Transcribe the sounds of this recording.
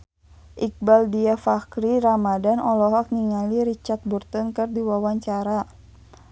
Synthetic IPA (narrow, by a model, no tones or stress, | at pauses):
ʔik̚baldiafakɾiɾamadanɔlɔɦɔk̚niŋaliɾit͡ʃart̪̚burt̪ənkɨrdiwawaɲt͡ʃaɾa